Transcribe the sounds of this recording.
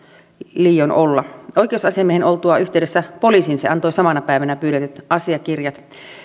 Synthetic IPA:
liːjonʔolːɑoikeˑusɑsiɑmiehenolt̪uɑyht̪eˑydesːæpoliˑsinseɑnt̪oisɑmɑnɑpæˑiʋænæpyːɾet̪yt̪ɑsiɑkirjɑt̪

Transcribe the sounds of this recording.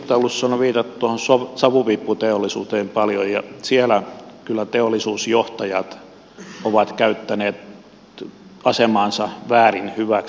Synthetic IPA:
t̪æolːusːoɑnoʋiːt̪ɑt̪ːuohonsosɑʋuʋipːut̪eolːisuːt̪eːmpɑljojjɑ̰sielækylːˑæt̪eolːˑisuːsjoht̪ɑjɑt̪ | oʋɑt̪kæyt̪ːæneːt̪ | ɑsemɑːnsɑʋæːrinhyʋæk

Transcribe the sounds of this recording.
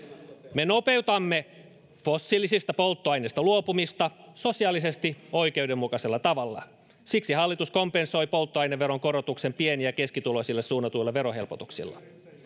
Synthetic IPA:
me̞no̞pe̞wt̪ɑmːe | fo̞sːilːisist̪ɑpo̞lt̪ːoɑjnest̪ɑluopumist̪ɑso̞siɑlise̞st̪io̞jkeuwdemːukɑselːɑt̪ɑʋɑlːɑ̰ | siksiɦɑlːit̪usko̞mpenso̞jpo̞lt̪ːoɑjneʋːeɾoŋko̞ɾot̪ukse̞mpieniæke̞skit̪ulosilːessuːnːɑt̪uilːɑʋe̞ɾoɦe̞lpot̪uksḭlːɑ̰

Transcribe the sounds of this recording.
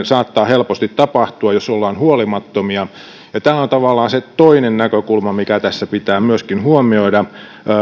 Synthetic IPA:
sɑːt̪ːɑːhelpost̪it̪tɑpɑht̪uɑjosolːɑːnhuolimɑt̪ːomiɑ | jɑt̪æːont̪ɑʋɑlːɑːnset̪oinennækøkulmɑmikæt̪æsːæpit̪æːmyøskinhuomioidɑ

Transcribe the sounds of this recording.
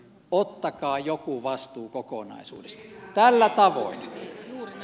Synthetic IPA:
ot̪ːɑkɑːjokuʋɑst̪uːkoko̰nɑ̰isṵːdest̪ɑ̥t̪ælːæt̪ɑʋo̰in

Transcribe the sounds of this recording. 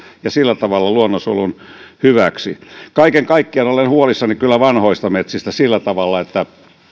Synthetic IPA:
jɑsilːæt̪ɑʋɑlːɑluonːosulunhyʋæksḭkɑikeŋkɑikːiɑnolenhuolisːɑnikylːæʋɑnhoist̪ɑmet̪sist̪æsilːæt̪ɑʋɑlːɑet̪ːæ

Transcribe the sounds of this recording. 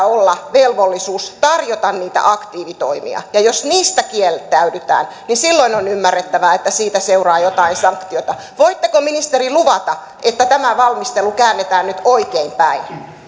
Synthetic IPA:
olːɑʋelʋolːisuːst̪ɑrjot̪ɑnniːt̪æ̰ʔɑkt̪iːʋit̪o̰imḭɑ̰jɑjosniːst̪ækielt̪ːæydyt̪æ̰ːn | ninsilːoinonymːærːet̪ːæʋæet̪ːæsiːt̪æseurɑːjot̪ɑinsɑŋkt̪iot̪ɑ | ʋoit̪ːekominist̪eriluʋɑt̪ɑ | ʔet̪ːæt̪æmæʋɑlmist̪elukæːnːet̪æːnnyt̪oikeimpæin

